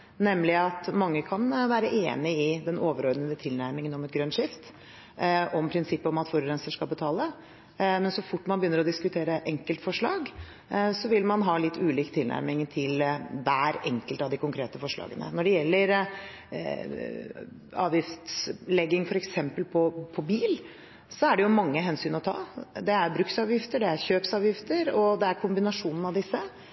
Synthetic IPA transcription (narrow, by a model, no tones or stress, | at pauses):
nɛmlɪɑt̪mɑŋːəkʰɑnʋæːɾəʔeːnɪɪd̪ɛnoːʋəɾɔɾd̪nəd̪ət̪ʰɪlnæɾmɪŋənɔmɛt̪̚ɡɾœnʂɪft̪ | ʔɔmpʰɾɪnsɪpːəɔmɑt̪fɔɾɾɛnsəʂkɑlbət̪ʰɑːlə | mɛnsɔfʊʈːmɑnbəjʏnːəɾɔd̪ɪskʉt̪ʰeːɾəʔɛŋkəlt̪fɔʂɭɑːɡ | sɔʋɪlmɑnɦɑːlɪt̪ʰːʉːliːkt̪ʰːɪlnæ̰ɾmɪŋt̪ʰɪlʋæːɾɛŋkəlt̪ɑʋd̪ɪkʊŋkʰɾeːt̪əfɔʂɭɑ̰ːɡənə̰nɔɖɛjɛlːəɾ | ɑ̰ːʋjɪft̪slɛɡɪŋfɔɾɛksɛmpəlpʰɔpʰɔbiːl | sɔæɖɛjʊmɑŋːəɦɛnsyːnɔt̪ʰɑ̰ːd̪ɛæɾbɾʉksɑːʋjɪft̪əɖɛæɾçøːpsɑːʋjɪft̪əɾɔd̪ɛæɾkʰʊmbɪnɑʂuːnənɑʋd̪ɪsːə